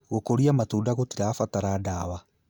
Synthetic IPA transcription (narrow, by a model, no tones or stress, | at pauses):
ɣokoɾiamatuːdaɣotiɾaːfataɾadaːwa